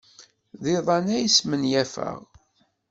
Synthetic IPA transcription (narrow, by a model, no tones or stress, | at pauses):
ðiðˤɑnæjəsmənjæfə̰ʁ